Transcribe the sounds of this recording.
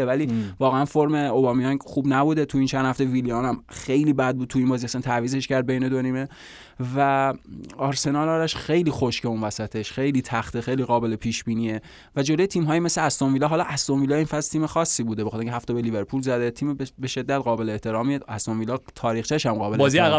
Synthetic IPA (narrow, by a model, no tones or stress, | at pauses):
evæliːvɒːɣeænfoɾme̞obɒːmijɒnxuːbnæbuːd̪et̪ʰuint͡ʃʰænd̪hæft̪eviliɑːnæmxe̞jliːbæd̪̚bud̪̚t̪ʰuiːmbɒːziæsænt̪ʰæviːze̞ʃcæɾd̪̚bejne̞d̪oniːme̞ | væ | ɒɾse̞nɒːlɒːɾæʃxe̞jliːxo̞ʃce̞unvæsæt̪ʰe̞ʃxe̞jliːt̪ʰæxt̪ʰexejliːɣɒːbe̞lepʰiːʃbiːniːe | væd͡ʒolo̞jet̪ʰiːmɦɒːjime̞sleæst̪onvilɒɦɒːlɒʔæst̪onvilɒːinfæzlt̪iːmexɒːsːiːbuːd̪ebexɑt̪eiŋcʰhæft̪ebelive̞ɾpʰulzæd̪et̪ʰiːmbe̞ʃe̞d̪ːæt̪ɢɒːbe̞leeːht̪ʰe̞ɾɒːmieæst̪onvilɒt̪ʰɒːɾiːxt͡ʃʰæʃæmɢɒːbeɒziæ